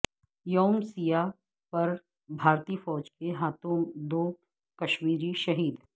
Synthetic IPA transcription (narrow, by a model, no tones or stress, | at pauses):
joːmsija | pɐɾ | bʱaːɾt̪iːfɔːd͡ʒkeɦaːt̪õmd̪oː | kɐʃmiːɾiʃɐɦiːd̪